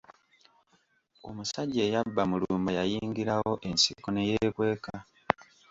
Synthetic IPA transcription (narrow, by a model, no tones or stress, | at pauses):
o̞̰musaɟːe̞jabːamuluːmbajajiːŋɡiɾawo̞ʔe̞nsiko̞ne̞jeːkwe̞ːka